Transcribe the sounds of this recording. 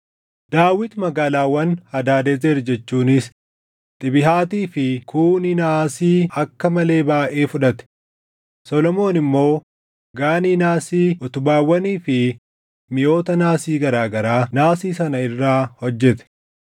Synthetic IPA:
d̪̥aːwɪt̪mɐɡaːlaːwɐnhɐd̪aːd̪ɛzeɾd͡ʒɛt͡ʃːuːnɪs | t̪ʼɪbɪɦaːt̪iːfɪkʰuːnɪnasiːɐkːɐmɐle̞ːbaːʔeːfʊᶑɐt̪ɛ̥ | sɔlɔmo̞ːnɪmːo̞ː | ɡaːniːnaːsiːʔʊt̪ʊbaːwːɐniːfɪ | mɪjo̞ːt̪ɐnaːsiːɡɐɾaːɡɐɾaːnaːsiːsɐnɐɪrːaːhɔd͡ʒːɛt̪ɛ̥

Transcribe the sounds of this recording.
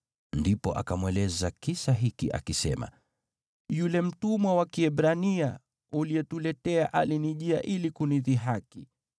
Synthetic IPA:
ndipɔʔa̰kamwɛlɛzakisaɦikḭʔa̰kisɛma̰ | julɛm̩tumwawakiɛɓɾania | uliɛtulɛtɛaʔaliniʄiaʔilikuniðiɦaki

